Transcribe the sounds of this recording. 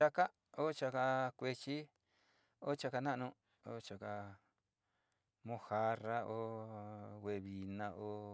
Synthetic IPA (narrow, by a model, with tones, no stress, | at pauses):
a˧ka˦ | o˦t͡ʃa˧ka˧kʷe˧t͡ʃi˦ | o˦t͡ʃa˧ka˧nã˦ʔnũ˧ | o˦t͡ʃa˧ka˧ | mõ˧ha˧ra˧˦o˧ | wʷe˧βi˨nã˧ʔo˧˦